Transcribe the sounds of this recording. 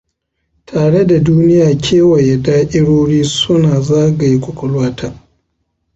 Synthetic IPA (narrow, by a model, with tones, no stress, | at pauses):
tʰaː˨ɽe˦da˨duː˦nɪ˦jaː˨kʲʰeː˦wa˨ja˨daː˦ʔʲɪ˦ɽoː˦ɽiː˦sʊ˦naː˨zaː˦ɡa˨ji˦kʷʊ˨kʷʊ˨lwaː˦tʰaː˦